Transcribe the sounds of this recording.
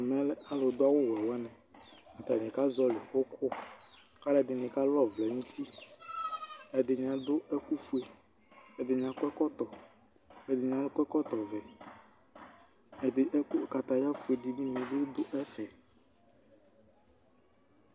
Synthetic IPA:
mɛ̃˦lɛ˦a˦lo˨˦d̪ʊ˦a˦wo˦wɛ˨wɛ˦nɛ̃˨a˨t̪a˨nĩ˨ka˦zɔ˦le˨xo˦kʰʊ˦ | ka˦lɛ˦˨d̪ɪ˨n˨ĩ˨ka˦lɔ˦vlɛ˨nĩ˦si˦ | ɛ˨d̪ɪ˨ɲĩ˨ã˨d̪ʊ˦ʔɛ˦ku˦fu˦e˨ | ɛ˨d̪ɪ˨ɲĩ˨ã˨kʷɛ˦kɔ˦t̪ɔ˨ | ɛ˨d̪ɪ˨ɲĩ˨ã˦lʊ˦kɛ˦kɔ˦t̪ɔ˨vɛ˨ | ɛ˨d̪ɪ˨ʔɛ˦ku˦˨ka˨t̪a˨ja˦fu˨e˨ɖi˨mĩ˦ɲi˨e˨d̪e˦d̪ʊ˦ʔɛ˦fɛ˨

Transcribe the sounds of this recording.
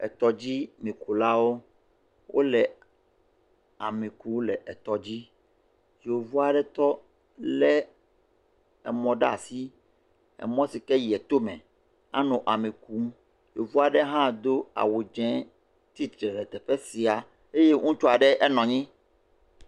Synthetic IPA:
ɛ̰˨t̪ɔ˦d͡ʑi˦mĩ˨ku˨la˦wo˦ | wʔo̰˦lɛ˨ | a˨mĩ˨ku˦lɛ˨ʔɛ˨t̪ɔ˨d͡ʑi˦ | jo˨vu˦a˨ɖɛ˦t̪ɔ˦ | lɛ˦ | ɛ˨mɔ̃˦ɖa˨si˦ | ɛ̰˨mɔ̃˦si˨kɛ˦ji˨ɛ˨t̪o˦mɛ̰̃˨ | a̰˦nũ˨ʔa˨mĩ˨ku˦ | jo˨vu˦a˨ɖɛ˦ɦã˦d̪o˦a̰˨wu˨d͡ʒɛ̃˦ | t̪i˦t̪ɾɛ˨lɛ˨t̪ɛ˨ɸɛ˦si˨a˨ | e˦je˦ŋũ˦t͡ʃɔ˦a˨ɖɛ˦ʔɛ˦nɔ̃˨ɲĩ˦

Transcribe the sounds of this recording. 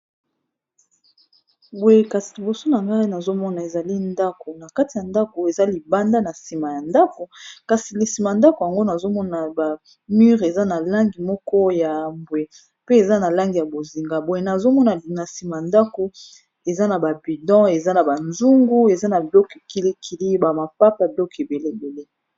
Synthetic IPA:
bo˨je˨ka˨si̥˨li˨bo˨so˦na˨ŋɡa˦i˦na˨zo˦mɔ˦na˨e˨za˨li˦nda˦ko˨na˨ka˦ti˨ja˨nda˦ko˨e˨za˦li˨ba˦nda˦na˨si˨ma˨ja˨nda˦ko˨ka˨si˨li˨si˨ma˨a˨nda˦ko˨ja˨ŋɡo˦na˨zo˦mɔ˦na˨ba˨ | my˦ʁe˨za˦na˨la˦ŋɡi˨mɔ˦kɔ˦ja˨mbwe˨ | pe˦e˨za˦na˨la˦ŋɡi˨ja˨bo˨zi˨ŋɡa˨bo˨e˨na˨zo˦mɔ˦na˨na˨si˨ma˨a˨nda˦ko˨ | e˨za˦na˨ba˨bi˨dɔ̃˦e˨za˦na˨ba˨nzu˦ŋɡu˦e˨za˦na˨bɔ˦ke˨ki˨li˦kʰi˨li˦ba˨ma˨pa˦pa˨bɔ˦ke˨be˨le˦˨be˨le˦

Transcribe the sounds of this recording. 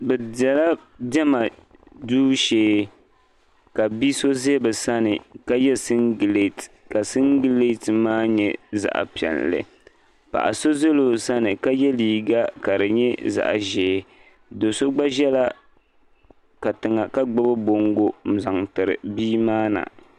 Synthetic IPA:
bɛ˨dɛ˨la˦ | dɛ˦ma˨duː˦ʃeː˨˦ | ka˨biː˦so˦ze˦bɨ˨sa˦nɨ˨ka˦jɛ˦sɨ˦nɡle˦˨t | ka˨sɨ˦ŋɡi˦le˦˨tmaː˦ɲɛ˦za̰˨ʔa̰˨pi˨ɛ̰˨llɨ̰˨ | pa̰˨ʔa̰˨so˦ze˦lo˨sa˦nɨ˨ka˦jɛ˦liː˨ɡa˦ka˨dɨ˨ɲɛ˦za̰˨ʔa̰˨ʒeː˨˦ | do˨so˦ɡ͡ba˦ʒɛ˦la˦ | ka˨tɨ˨ŋa˨ka˦ɡ͡bʊ˦bɨ˦bo˨ŋɡo˦m̩˨za˨ŋtɨ˨ɾɨ̰˨biː˦maː˦na̰˨

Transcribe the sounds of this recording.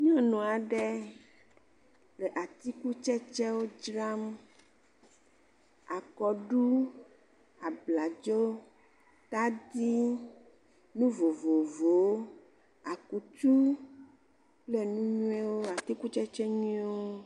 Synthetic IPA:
ɲ˦ɔ̃˦nɔ̃˨a˨ɖɛ˦ | le˨ʔa˨t̪i˦ku˦t͡ʃɛ˦t͡ʃɛ˦wo˦d͡ʒɾa˦m | a˨kɔ˨ɖu˦ | a˨bla˨d͡ʒo˦ | t̪a˦d̪i˦ | nũ˦vo˨vo˨vo˨˦ | a˨ku˨t͡ʃ̪u˦ | ple˦nũ˦ɲũ˦ɛ˦wo˦a˨t̪i˦ku˦t͡ʃɛ˦t͡ʃɛ˦ɲĩ˦wo˦

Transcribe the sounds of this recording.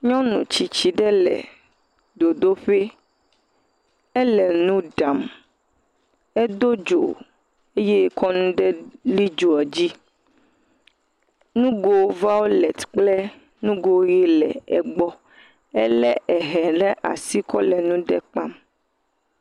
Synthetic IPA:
ɲɔ̃˦nṵ̃˨t͡ʃi˨t͡ɕi˨ɖɛ˦lɛ̰˨ | d̪o˨d̪o˦ɸe˦ | ɛ˦lɛ˨nũ˦ɖa˨m | ɛ˦d̪o˦d͡ʒo̰˨ | e˦je˦kɔ˦nũ˦ɖɛ˦li˦d͡ʒo˨ɔ˨d͡ʑi˦ | nũ˦ɡo˨˦va˦wo˦lɛ˨t̪k͡plɛ˦ | nũ˦ɡo˨˦je˦lɛ̰˨ɛ̰˨ɡ͡bɔ˦ | ɛ˦lɛ˦ʔɛ˨ɦɛ˨ɖɛ˦ʔa̰˨si˦kɔ˦lɛ˨nũ˦ɖɛ˦k͡pa˦m

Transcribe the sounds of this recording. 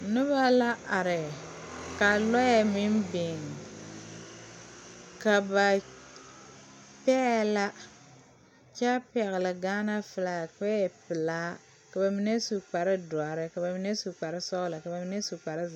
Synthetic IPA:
nʊ˦βa˦la˦a˨ɾɪ˨ka˨lɔ˦ja˦mɪ˦mbɪ˨ŋ˨ | ka˨ba˨ | pɛ˦la˦ | t͡ʃa˦pɛ˨ɣɪ˨lɪ˨ɡaː˦na˦fɨ˨la˨k͡pɛ˦˨pɪ˨laː˦ | ka˨ba˨mi˦ne˦su˨k͡pa˨ɾɪ˦dʊ˨a˨ɾɪ˦ka˨ba˨mi˨ne˦su˨k͡pa˨ɾɪ˦sɔ˦ɣla˨ka˨ba˨mi˨ne˦su˨k͡pa˨ɾɪ˦˨

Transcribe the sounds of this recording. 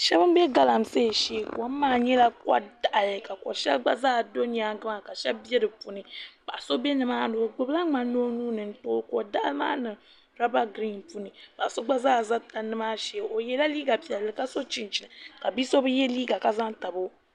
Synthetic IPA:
ʃɛ˦bɨ˦m˦bɛ˦ɡa˦la˨m̩˨se˦˨ʃe˦˨ka˦m˦maː˦˨ɲɛ˦la˦ka̰˦da˨ʔa˨lɨ˨ka˨ko̰˨ʃɛ̰˦lɡ͡ba̰˦zaː˦˨do˦ni˨a˨ɡa˦ma˨ka˨ʃɛ˦lbi˦ɛ˦dɨ˨pu˨nɨ˨b̥a˨so˦bɛ˦nɨ˦maː˦no˨o˨ɡ͡bɨ˦bla˦ŋ͡ma˨noː˦nuː˦nɨ˨n̩˦toː˦ko˨da˦ʔa˦lma̰ː˦nɨ˨ | ɾa˦ba˦ɡɾi˦˨npu˦nɨ˨ba˨so˦ɡ͡ba˦zaː˦˨za˦ta˨nɨ˦maː˦ʃɛ˨o˨jɛ˦la˦liː˦ɡa˨pi˨ɛ˨lːɨ˨ka˦so˦t͡ʃi˦nt͡ʃi˨nɨ˨ka˨bi˦so˦bɨ˦jɛ˦liː˦ɡa˨ka˦za˦ŋ˦ta˨bo˦

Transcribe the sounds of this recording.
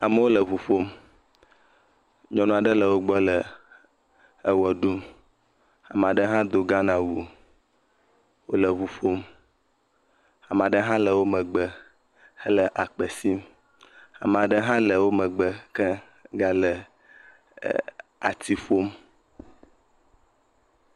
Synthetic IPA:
a˨mə˦wo˦lə˨βu˨fo˦m | ɲɔ̃˨nũ˦a˨ɖə˦lə˨wo˦ɡ͡bɔ˦lə˨ | ə˦wɛ˨ɖu˦m | a˨m˨a˨ɖə˦ɦã˦d̪o˨ɡa˦nã˨wu˨ | wo˦lə˨vu˨fo˦m | a˨m˨a˨ɖə˦ɦã˦lə˨wo˦mə̃˨ɡ͡bə˦ | hə˦lə˨ʔa˨k͡pə˨si˦m | a̰˨m˨a˨ɖə˦ɦã˦lə˨wo˦mə̃˨ɡ͡bə˦kə˦ | ɡa˦lə˨ | a̰˨t̪i˦fo˦m

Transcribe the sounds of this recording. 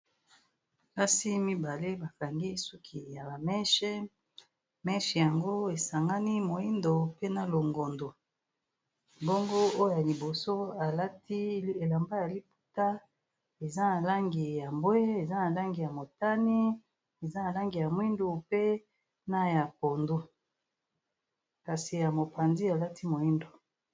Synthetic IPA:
ka˦si˦mi˦ba˨le˦ba˨ka˨ŋɡi˦sɔ˦kʰi˨ja˨ba˨mɛ˦ʃɛ˦ | mɛ˦ʃɛ˨ja˨ŋɡo˦e˨sa˨ŋɡa˦ni˦mo˨i˦ndo˨pe˦na˨lo˨ŋɡo˨ndo˨ | bo˦ŋɡo˦o˦ja˨li˨bo˨so˦a˨la˦ti˦e˨la˨mba˦ja˨li˦pu̥˨ta˦ | e˨za˦na˨la˦ŋɡi˨ja˨mbwe˦e˨za˦na˨la˦ŋɡi˨ja˨mo˨ta˦ni˦ | e˨za˦na˨la˦ŋɡi˨ja˨mwi˦ndu˨pe˦ | na˦ja˨ko˨ndu˦ | ka˨si˨ja˨mo˨pa˨nzi˦a˨la˦ti˦mo˨i˦ndo˨

